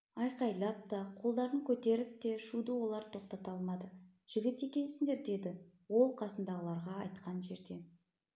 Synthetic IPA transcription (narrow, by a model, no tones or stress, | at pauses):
ɑjqɑjlˠɑp̚t̪ɑqʰo̞lˠd̪ɑɾəŋkʲʰɵt̪e̞ɾɪp̚t̪e̞ʃud̪əwo̞lˠɑɾt̪ʰo̞qt̪ɑt̪ɑlˠmɑd̪ə | ʒ̥ɪɡʲɪt̪e̞kʲe̞nsɪŋd̪e̞ɾd̪e̞d̪ɪ | wo̞lˠqʰɑsənd̪ɑʁəlˠɑɾʁɑːjt̪qɑnʒe̞ɾd̪e̞n